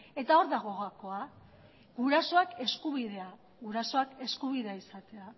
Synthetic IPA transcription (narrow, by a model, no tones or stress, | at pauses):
e̞t̪ao̞ɾðaɣ̞o̞ɣako̞a | ɣuɾaso̞ake̞skuβiðe̞a | ɣuɾaso̞ake̞skuβ̞iðeaisat̪e̞a